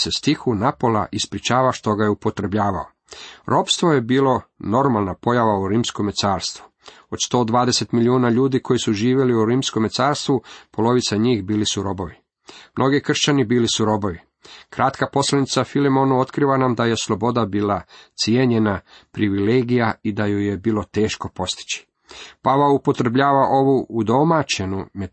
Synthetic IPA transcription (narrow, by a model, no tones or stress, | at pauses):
sest̪ixunapo̞la̰ʔispɾit͡ʃaːʋaʃt̪o̞ɡajeupo̞t̪ɾe̞bʎaːʋao | ɾo̞pst̪ʋoje̞biːlˠo̞no̞ɾmalˠnapo̞jaʋauɾiːmsko̞met̪saːɾst̪ʋu | ot͡ʃst̪o̞ːd̪ʋaːd̪e̞se̞t̪miliuːnaʎuːd̪ikʰo̞jisuʒiːʋje̞liuɾiːmsko̞met̪saːɾst̪ʋupo̞lo̞ʋit̪saɲiːxbiːlisuɾo̞boʋi | mno̞ɡikr̩ʃt͡ɕanibiːlisuɾo̞bo̞ʋi | kɾat̪kapo̞slanit̪safilemo̞nuo̞t̪kɾiʋanamd̪aje̞slo̞bo̞d̪abiːlat̪sjeːɲe̞napɾiʋileːɡijaid̪ajojebiːlo̞t̪e̞ːʃko̞po̞st̪i̥t͡ɕi̥ | paʋaupo̞t̪ɾebʎaːʋaʔo̞ʋuud̪o̞mat͡ɕe̞nume